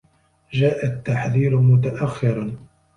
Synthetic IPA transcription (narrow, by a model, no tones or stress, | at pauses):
d͡ʒaːʔat̪ːaħðiːɾmʊt̪̬aʔaxːɪɾ